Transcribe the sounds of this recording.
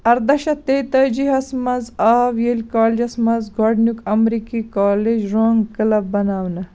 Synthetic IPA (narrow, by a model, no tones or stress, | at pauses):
ɐɾd̪ɐʃɐt̪et̪ɐd͡ʒiɦɐsmɐzaːʋjelʲkaːled͡ʒɐsmɐzɡoːɖnukɐmɾiːkikaːled͡ʒɾoːŋɡkɐlɐbːɐnaːwnɐ